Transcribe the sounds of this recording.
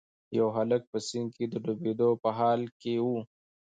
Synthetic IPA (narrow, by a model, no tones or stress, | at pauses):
jɐwɦɐlək̚pəsɪŋked̪əɖubed̪opəɦɑːlkeu